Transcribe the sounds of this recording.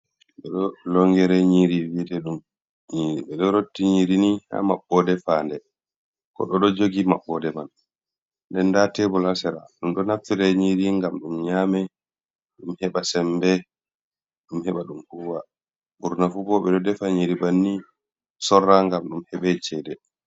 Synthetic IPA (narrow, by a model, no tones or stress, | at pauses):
ɓɛ̰ɗɔlɔŋɡɛɾɛɲiɾiwidɛɗum | iɓɛɗɔɾotːiɲiɾiniha̰maɓːɔdɛfandɛ | kɔ̰ɗɔɗɔd͡ʒoɡimaɓːɔdɛman | ndɛndatɛbɔlasɛɾa̰ɗumɗɔnaftiɾɛɲiɾiŋɡamɗumɲaːmɛ | ɗumhɛɓasɛmbɛ | ɗumhɛɓaɗumhuwa | buɾnafubɔɓɛɗɔdɛfaɲiɾibanːi | sɔrːaŋɡamɗumhɛɓɛt͡ʃɛdɛ